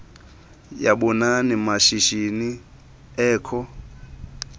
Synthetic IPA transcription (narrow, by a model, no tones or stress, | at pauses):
jaɓunanimaʃiʃini | ɛːkʰɔ